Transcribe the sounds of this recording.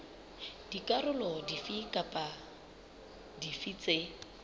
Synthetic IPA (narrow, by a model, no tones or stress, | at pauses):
d̥ikʼarʊlɔdifikʼapʼa | difit͡sʼe